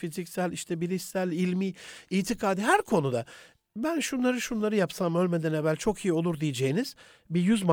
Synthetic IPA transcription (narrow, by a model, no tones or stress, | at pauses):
fizicsælʲiʃt̪ʰɛbiɾisælʲilʲmiːiːt̪ʰikʰaːd̪iɦæɾkʰo̞nud̪a | bænʃunlˠaɾɯʃunlˠaɾɯjapsamø̞lʲme̞d̪ænevælʲt͡ʃʰo̞kʰijio̞lˠuɾd̪ijed͡ʒejiniz̥ | bijyzma